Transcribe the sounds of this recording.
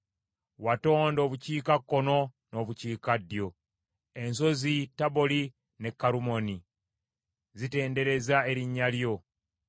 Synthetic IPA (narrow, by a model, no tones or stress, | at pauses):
wato̞ːndo̞ːβuciːkakːo̞no̞ | no̞βuciːkadjo̞ | e̞nso̞zitaβo̞li | ne̞kːaɾumo̞ni | zite̞ːnde̞ɾe̞zae̞ɾiɲːaljo̞